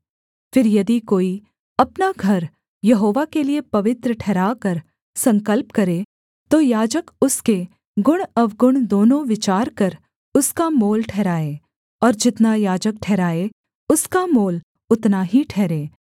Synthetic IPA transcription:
fɪɾjɐd̪ikoːi | ɐpnaɡʱɐɾ | jɐɦoːʋakeliepɐʋɪt̪ɾəʈʰɛːɾaːkɐɾ | sɐ̃ŋkəlpkɐɾeː | t̪oːjaːd͡ʒəkʊske | ɡʊɽ̃ɐʋɡʊɽ̃d̪oːnõʋɪt͡ʃaːɾkɐɾ | ʊskamoːlʈʰɛːɾaːeː | ɔːɾd͡ʒɪt̪najaːd͡ʒək̚ʈʰɛːɾaːe | ʊskamoːl | ʊt̪naɦiʈʰɛːɾeː

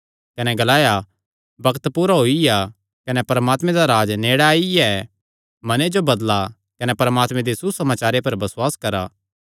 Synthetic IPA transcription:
kɐnɛɡɐlaːja | bɐkt̪puːɾaɦoːija | kɐnɛpɐɾəmaːt̪mɛ̃d̪aɾaːd͡ʒneːɽaːij | mɐned͡ʒobɐd̪la | kɐnɛpɐɾəmaːt̪mɛ̃d̪isusɐmaːt͡ʃaːɾepɐɾbɐswaːskɐɾa̰ː

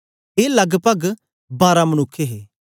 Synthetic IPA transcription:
eːlɐɡpəɡ | baːɾamənʊkʰːeɦeː

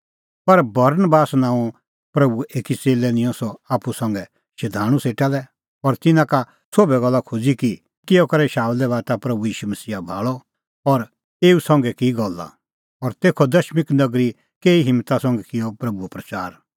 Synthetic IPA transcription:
pɐɾbɐɾnəbaːsnãːũ | pɾɐbueːkit͡seːlɛnɪ̃jɔ̃sɔaːpusɐ̃ŋɡɛ | ʃɪd̪ʱaːɽ̃ũseːʈalɛ | ɔɾt̪ɪnãka | soːbɛɡɔlːakʰud͡ziki | kɪjɔkɐɾɛʃaːlɛʋaːt̪apɾɐbujiːʃumɐsiːabʱa̰ːɭɔ | ɔɾ | eːusɐ̃ŋɡɛkiɡɔlːa̰ | ɔɾt̪eːkʰɔd̪ɐʃmɪknɐɡɾi | keːiɦɪ̃mːt̪asɐ̃ŋɡɛkɪjɔpɾɐbuɛpɾɐt͡ʃaːɾ

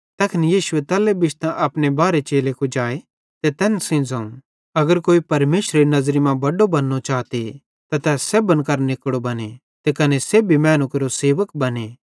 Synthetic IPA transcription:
t̪ɐkʰɪnijiːsuet̪ɛːlebɪt͡ʃt̪ãʔɐpnebaːɾet͡ʃeːlekud͡ʒaːe | t̪et̪ɛːnsɪ̃d͡zɐ̃ːũ | ɐɡəɾkoːipɐɾmeːʃɾeɾinɐzɾimãbɐɖobɐnːot͡ʃaːt̪e | t̪at̪ɛːseːbənkɐɾnɪkɽobɐne | t̪ekɐneseːbʱimɛːnũkeɾoseːʋəkbɐne

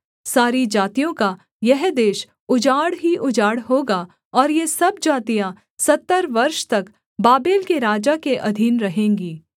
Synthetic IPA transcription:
saːɾid͡ʒaːt̪ijõka | jɛɦd̪eːʃ | ʊd͡ʒaːɽɦiʔʊd͡ʒaːɽɦoːɡa | ɔːɾjesɐbd͡ʒaːt̪ijã | sɐt̪ːəɾʋɐɾʃt̪ɐk | baːbeːlkeɾaːd͡ʒakeʔɐd̪ʱiːnɾɐɦẽːŋɡiː

